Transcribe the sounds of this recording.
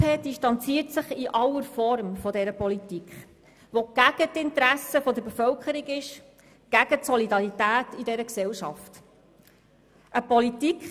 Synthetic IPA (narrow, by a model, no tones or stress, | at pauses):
ed̥iʃtɑnt͡siːtsəχiʔɑlːəɾfɔɾmfɔdɛɾəpɔlitikχ | ʋɔɡ̥æɡ̥ətɪntəɾæsəfɔd̪əɾbefœlkʰəɾiɡɪʃ | ɡ̥æɡ̥ətsɔlidɑɾitæːtidɛɾəksɛlʃɑ̰ft | ʔəpɔlitikχ